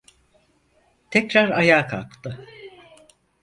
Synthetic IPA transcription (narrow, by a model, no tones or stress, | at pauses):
t̪ʰɛcɾaɾajaːkʰalˠkt̪ʰɯ